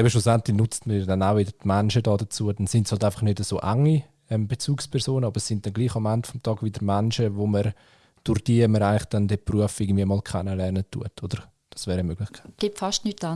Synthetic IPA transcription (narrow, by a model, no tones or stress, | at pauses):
ɛbəʃlusɛntlɪnʊt͡stməɾjɑdɛnaʊʋɪdəɾtmɛnʃədɑːdəɐt͡suəd̥ɛnsɪntshɑltaɪfɑ̥χnødəsoːʔaŋi | ɛmbet͡suːkspʰɛʁsoːnəɑbəɾsːɪnt̚d̥ɛnɡliːχɑmɛntfɔmtʰɑːɡ̥vɪdəɾmɛnʃəʋoməɾ | d̥ʊɾd̥iːməɾaɪŋlɪχd̥ɛndɛpruəfɪɾɡən̩dviːəmɑːlkʰɛnəlɛɾnətʰːṵətʰodəɾ | d̥ɑsvɛːɾəmøɡ̥lɪχkʰḁɪtɡ̥ɪpfɑʃtnyta